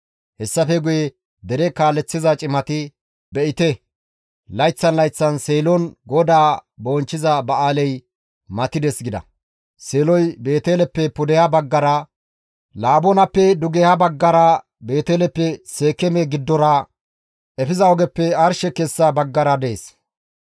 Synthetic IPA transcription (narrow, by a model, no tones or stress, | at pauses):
hɛsːɐfɛɡʊjɛ | d̪ɛɾɛkaːlːɛt͡sːɪzɐt͡ʃʼɪmɐt̪ɪ | bɛʔɪt̪ɛ | lɐjt͡sːɐnlɐjt͡sːɐnseːlɔnɡɔd̪aːbo̞ːnt͡ʃːɪzɐbɐaːlɛj | mɐt̪ɪd̪ɛsɡɪd̪ɐ̰ | seːlɔjbe̞ːt̪elɛpːɛpʊd̪ɛhɐbɐɡːɐɾɐ | laːbɔnɐpːɛd̪ʊɡɛhabɐɡːɐɾɐ | be̞ːt̪eːlɛpːɛseːkːɛmɛɡɪd̪ːɔɾɐ | ɛfɪzɐɔɡɛpːɛɐɾʃɛkɛsːɐbɐɡːɐɾɐd̪e̞ːs